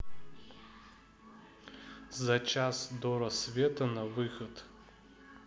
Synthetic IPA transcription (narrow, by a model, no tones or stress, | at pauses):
zɐt͡ʃasd̪ɔɾɐsvʲɛt̪ənɐvɨxot̪